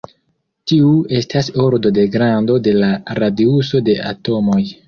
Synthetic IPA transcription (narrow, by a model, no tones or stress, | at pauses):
tiue̞stasoɾdo̞de̞ɡɾando̞de̞laɾadiuso̞de̞ʔa̰to̞mo̞j